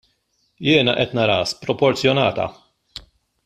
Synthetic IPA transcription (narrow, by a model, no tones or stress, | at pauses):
jɪːnɐʔɛt̪nɐɾɐːspɾɔpɔɾt͡sjɔnɐːt̪ɐ̰